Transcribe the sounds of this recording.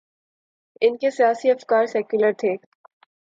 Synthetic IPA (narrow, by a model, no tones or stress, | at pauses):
ɪnkesijaːsiɐfkaːɾsɛːkjʊləɾt̪ʰeː